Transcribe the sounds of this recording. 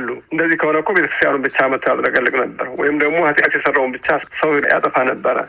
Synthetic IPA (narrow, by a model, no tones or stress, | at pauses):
lːuʔɨnd̪əzːihkʰəhonəkʰʷːobet̪ʰəkɾɨst̪janunbɨt͡ʃːamət̪ʰojat̪ɾəɡəlːɨɡʼnəbːəɾwɔ̰jɪmd̪əɡmo̞hat̪ʼkʼat̪jɛsərːawunbɨt͡ʃːasəwjɛja̰t̪ʼəfanəbːəɾə̰l